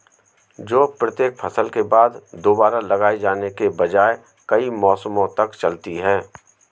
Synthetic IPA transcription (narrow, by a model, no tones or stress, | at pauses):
d͡ʒoːpɾət̪eːk̚pʰɐsəlkebaːd̪d̪oːbaːɾalɐɡaːid͡ʒaːnekebɐd͡ʒaːe | kɐimɔːsəmõt̪ɐkt͡ʃɐlt̪iɦɛ̃ː